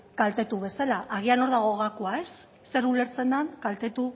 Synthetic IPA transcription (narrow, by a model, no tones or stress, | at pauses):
kalt̪e̞t̪uβe̞salaʔːɣ̞iano̞ɾðaɣ̞o̞ɣakoae̞sː | e̞ɾule̞ɾt͡se̞nd̪ankalt̪e̞t̪u